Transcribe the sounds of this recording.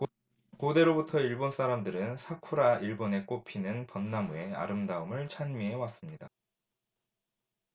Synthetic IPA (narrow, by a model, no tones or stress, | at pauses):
kode̞ɾobutʰʌiɭbons͈ʰaɾamdɯɾɯnsʰakʰuɾaʔiɭbone̞k͈opʰinɯnpʌnːamue̞a̰ɾɯmdaɯmɯɭt͡ɕʰaɲmiɦe̞was͈ɯmɲida